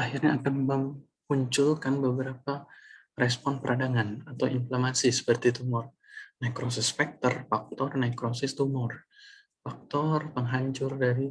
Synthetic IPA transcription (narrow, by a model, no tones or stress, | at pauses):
ahirɲaːkanməm | muɲt͡ʃʊlkanbəbəɾapa | rɛspɔnpəɾʔadaŋanat̪awinflamasisə̥pərt̪it̪umʊr | najkɾosɪspɛk̚t̪ərfak̚t̪ɔrnajkɾosɪst̪umʊr | fak̚t̪ɔrpəŋɦaɲt͡ʃʊrdaɾi